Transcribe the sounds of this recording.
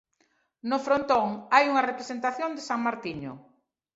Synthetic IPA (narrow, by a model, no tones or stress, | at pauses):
nofɾont̪oŋajuŋɐrepɾesent̪aθjond̪esaŋmaɾt̪iɲʊ̰